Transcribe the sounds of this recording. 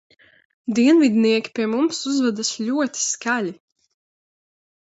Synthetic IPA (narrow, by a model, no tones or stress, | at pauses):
d̪iɛnvid̪niɛkʲi̥piɛmumsuzvad̪asʎʲuɔt̪i̥skalʲi